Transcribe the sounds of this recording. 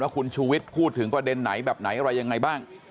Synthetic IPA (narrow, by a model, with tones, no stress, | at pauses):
waː˥˩kʰu˧nt͡ɕʰuː˧wi˦˥t̪̚pʰuː˥˩t̪ʰːɯ˩˦ŋpɾa˧de˧nːa˩˦jbɛː˨˩p̚na˩˦jʔa˧ɾa˧jːa˧ŋːa˧jbaː˥˩ŋ